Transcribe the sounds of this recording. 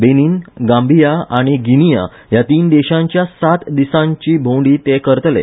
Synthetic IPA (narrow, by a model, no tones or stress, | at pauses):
beniːnɡãmbʱijaaɽ̃iɡinija̰ | jat̪iːnd̪eɕãɲt͡ɕjasat̪d̪isãɲt͡ɕiːbʱõɳɖiːt̪ekəɾt̪lḛ